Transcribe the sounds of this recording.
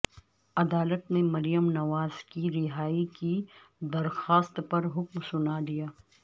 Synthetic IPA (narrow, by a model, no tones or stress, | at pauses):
ɐd̪aːlət̪nẽmɐɾijəmnɐʋaːz̥kiɾɪɦaːiki | d̪ɐɾxaːst̪pɐɾɦʊkmsʊnalijaː